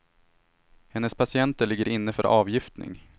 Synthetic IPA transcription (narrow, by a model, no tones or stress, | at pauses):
hɛnːəspʰasɪɛnt̪əɭɪɡːəɾɪnːəfœɾʔɑːvjɪft̪nɪ̰ŋ